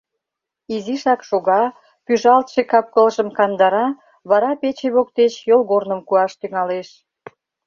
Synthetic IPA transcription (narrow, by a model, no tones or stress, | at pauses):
iziʃɑkʃoɣɑ | pyʒɑlt̪ʃekɑp̚kəlʒəmkɑnd̪ɑɾɑ | βɑɾɑpet͡ɕeβok̚t̪et͡ɕjolɣornəmkuɑʃt̪yŋɑleʃ